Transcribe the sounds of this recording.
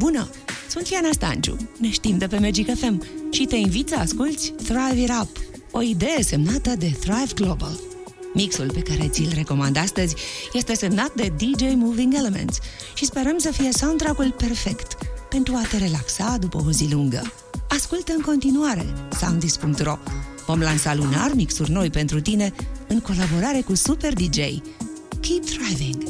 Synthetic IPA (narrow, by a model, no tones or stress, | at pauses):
bunə | sunt̪vjanast̪a̰nt͡ʃṵne̞ʃt̪imd̪e̞pe̞med͡ʒikefe̞mʃit̪e̞invit̪səaskult̪sʲθɾajviɾap | o̞id̪e̞je̞se̞mnat̪əd̪e̞θɾajvɡlo̞bəl | miksulpe̞kaɾe̞t̪sʲilre̞ko̞mand̪ast̪əzʲje̞st̪e̞se̞mnat̪̚d̪e̞d̪id͡ʒe̞jmuviŋɡelemḛnt̪sʃispe̞ɾəmsəfijesawnt̪ɾakulpe̞rfe̞kt̪pe̞nt̪ɾuat̪e̞ɾe̞laksad̪upəoziluŋɡə̰ | askult̪ɨŋko̞nt̪inuaɾe̞̰sa̰wnd̪ispuŋk̚t̪ro̞ | vo̞mlansalunarmiksurʲno̞jpe̞nt̪ɾut̪ine̞ɨŋko̞labo̞ɾaɾe̞kusupe̞rd̪id͡ʒe̞̰jkʲʰip̚d̪ɾajviŋɡ